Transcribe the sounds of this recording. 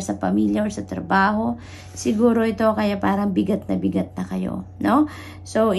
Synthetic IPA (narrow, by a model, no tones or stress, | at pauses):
sɐpɐmiːljɐʔoɹsɐt̪ɾɐbaːɦo̞ | sɪɡuːɾo̞ʔɪt̪o̞kɐjapaːɾɐŋbɪɡat̪̚nɐbɪɡat̪̚nɐkɐjo̰no | so